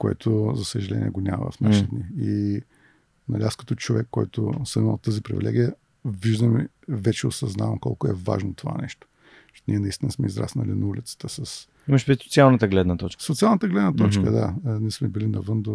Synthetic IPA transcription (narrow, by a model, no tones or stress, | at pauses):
koɛ̰t̪ʰʊzɐsəʒɐlɛ̰nʲiɛ̰ɡonʲamə̰və̰fnaʃit̪d̪nii | nɐ̰lʲiaskɐ̥t̪ɔt͡ʃovɛkːɔjt̪ʊ̰səmimˠt̪ːəzipɾḭvʲilɛ̰ɡʲijə | viʒd̪əmi | vɛt͡ʃɛosɐznavəmkɔlˠkʊɛva̰ʒnot̪ovanɛʃt̪o̥ | niɛnɐist̪inəsmɛizɾa̰snə̰linɐulʲit̪sə̥t̪əsəs | iməʃpɾit̪sot̪sialˠnət̪əɡlɛd̪nət̪ɔt͡ʃksot̪sialˠnət̪əɡlɛd̪nət̪ɔt͡ʃkə̰d̪anɛsmɛbilinɐvənd̪o